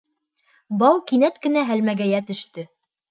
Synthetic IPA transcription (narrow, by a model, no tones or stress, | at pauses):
bɑwkinæt̪kɘ̆næɦælmæɡæjæt̪ɵ̆ʃt̪ɵ